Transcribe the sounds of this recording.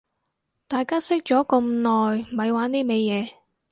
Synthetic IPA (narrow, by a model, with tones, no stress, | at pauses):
t̪aː˨jkaː˥sɪ˥k̚t͡ʃɔː˨˥kɐ˧mnɔː˨jm̩˨ɐ˨˧jwaː˨˥niː˥me˨˧jjɛː˨˧